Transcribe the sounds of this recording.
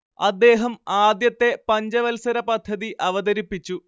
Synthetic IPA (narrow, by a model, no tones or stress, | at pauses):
ɐd̪ːe̞ːɦɐmaːd̪jɐt̪ːe̞pɐɲd͡ʑɐʋɐlsɐɾɐpɐd̪ʱːɐðiʔɐʋɐd̪ɐɾipːit͡ɕːu